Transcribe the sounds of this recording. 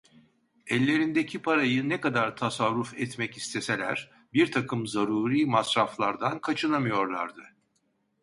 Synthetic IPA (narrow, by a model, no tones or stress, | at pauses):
ɛlʲːe̞ɾind̪ecʰipʰaɾajɯnɛkad̪aɾt̪ʰasaɾːufɛt̪mɛcist̪ʰe̞se̞lʲæɾ̥ | biɾt̪ʰakʰɯmzaɾuːɾiːmasɾaflˠaɾd̪ankʰat͡ʃʰɯnamɯjo̞ɾlˠaɾd̪ɯ